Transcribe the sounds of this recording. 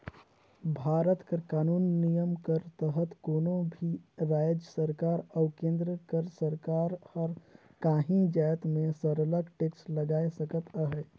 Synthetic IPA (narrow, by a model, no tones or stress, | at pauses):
bʱaːɾət̪kəɾkaːnuːnːijəmkəɾt̪əɦət̪konõbʱiɾaːjd͡ʒəsəɾkaːɾaʊkẽːnd̪ɾəkəɾsəɾkaɾhəɾ | kaːɦĩd͡ʒajt̪mesəɾələɡʈeksləɡaːesəkət̪əɦɛ